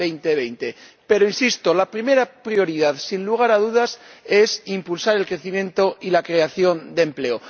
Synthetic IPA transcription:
ejnt̪e̞βejnt̪e̞pe̞ɾoinsist̪o̞lapɾime̞ɾapɾio̞ɾiðaðsinluɣ̞aɾaðuðase̞simpulsaɾe̞lkɾe̞θimjẽ̞nt̪o̞ilakɾe̞aθjo̞nd̪emple̞o

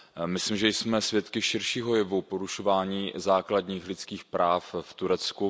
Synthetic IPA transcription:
mɪslimʒɛjsmɛsvjɛt̪kɪʃɪɾʃiːɦo̞jɪvupo̞ɾuʃo̞vaːɲiːzaːkladɲiːxlɪt͡skiːxpɾaːfft̪uɾɛt͡sku

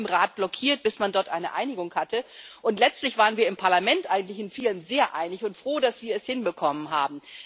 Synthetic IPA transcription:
mʁaːt̚b̥lɔkʰiːɐt̚b̥ɪsmandɔɐtʔa̰ɪnəʔa̰ɪnɪɡʊŋhatʰəʔʊntlɛt͡stlɪçv̥aːʁ̞ənviːɐɪmpʰaɐlamɛntʔaɪɡŋ̩tlɪçɪnfiːlənzeːɐʔaɪnɪçʊntfʁ̥oːdasv̥iːɐɛshɪnbəkʰɔmənɦa̰ːbm̩

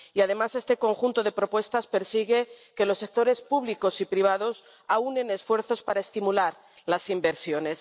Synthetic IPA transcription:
iað̞e̞mase̞st̪e̞ko̞ŋxunt̪o̞ðe̞pɾo̞pwe̞st̪aspe̞ɾsiɣ̞e̞ke̞lo̞sːe̞k̚t̪o̞ɾe̞spuβliko̞sipɾiβ̞að̞os | aune̞ne̞sfwe̞ɾθo̞spaɾaest̪imulaɾ | lasimbe̞ɾsjo̞ne̞s

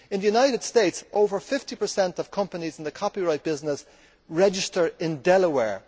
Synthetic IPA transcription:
ɪ̃nðəjunaɪɾɨd̥steɪtsʔoʊvə˞fɪftipə˞sɛ̃ntʌv̥kʰʌ̃mpənizɪ̃n̩ðəkʰɑpiɹaɪt̚b̥ɪznəs | ɹɛd͡ʒɪstə˞ɪ̃ndɛləwɛɹ

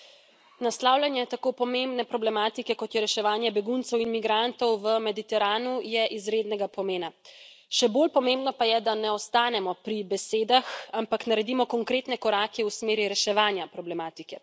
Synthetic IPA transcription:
naslaːwlʲjanjɛt̪akoːpɔmembnɛpɾɔblɛmaːt̪ikɛkɔt̪jɛɾɛʃɛʋaːnjɛbɛɡunt̪sɛwinmiɡɾant̪ɔwʋəmɛd̪it̪ɛɾaːnujɛʔizɾeːd̪nɛɡapɔmeːna | ʃɛbolpɔmembnɔpajɛd̪anɛɔst̪aːnɛmɔpɾibɛseːd̪axampaknaɾɛd̪imɔkɔŋkɾeːt̪nɛkɔɾaːkɛusmeːɾiɾɛʃɛʋaːnjapɾɔblɛmaːt̪ikɛ

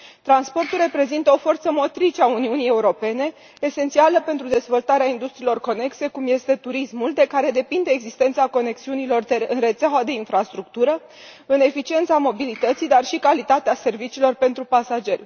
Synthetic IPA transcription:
t̪ɾanspo̞rt̪ulre̞pɾe̞zint̪əo̞fo̞rt̪səmo̞t̪ɾit͡ʃeauniunije̞uɾo̞pe̞ne̞ː | se̞nt̪sialəpe̞nt̪ɾud̪e̞zvolt̪aɾeaind̪ust̪ɾiːlo̞rko̞ne̞kse̞kumje̞st̪e̞t̪uɾismuld̪e̞kaɾe̞d̪e̞pind̪e̞ːɡzist̪ent̪sako̞ne̞ksiunilo̞rd̪eɨnre̞t̪seaoad̪e̞infɾast̪ɾuk̚t̪uɾə | ɨne̞fit͡ʃient̪samo̞bilit̪ət̪sid̪arʃikalit̪at̪ease̞rvit͡ʃiːlo̞rpe̞nt̪ɾupasad͡ʒe̞rʲ

